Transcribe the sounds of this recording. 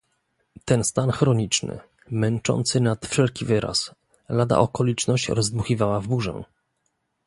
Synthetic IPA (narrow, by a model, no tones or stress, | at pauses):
t̪ɛnst̪anxɾɔɲit͡ʂnɘ̰ | mɛnt͡ʂɔ̰nt̪sɘnat̪fʂɛlkʲivɘɾʔa̰s | lad̪a̰ʔɔkɔlʲit͡ʂnɔɕt͡ɕɾɔzd̪muxʲivawavbuʐɛ̰̃